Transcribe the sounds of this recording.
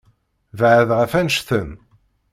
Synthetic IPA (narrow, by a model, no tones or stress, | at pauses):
vʕəðʁəfænʃθəm